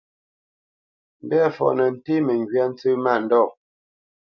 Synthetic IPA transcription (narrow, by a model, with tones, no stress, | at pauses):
m˦bɛ˦fɔ̰˨ʔnə˨n̩˨te˦mə˨ŋ˨ɡɥa˦n̩˦t͡sɨ˦ma˦˨n̩˨dɔ˦˨